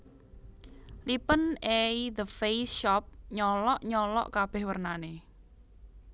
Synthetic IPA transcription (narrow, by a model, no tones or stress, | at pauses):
lipənejðəfejsʃɔp̚ɲɔlɔʔɲɔlɔ̰ʔkab̥ɛhwərnane